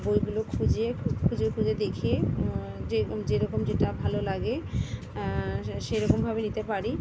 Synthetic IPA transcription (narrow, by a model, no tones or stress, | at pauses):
bojɡulokʰud͡ʑekʰud͡ʑekʰud͡ʑed̪ekʰe | d͡ʑed͡ʑeɾɔkomd͡ʑeʈabʱalolaɡe | ʃejɾɔkombʱabenit̪epaɾi